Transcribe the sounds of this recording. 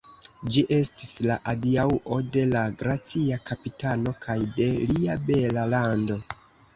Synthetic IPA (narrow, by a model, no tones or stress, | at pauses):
d͡ʒiʔe̞stislaʔadiauʔo̞de̞laɡɾat͡siakapitano̞kʰajde̞liabe̞lalando̞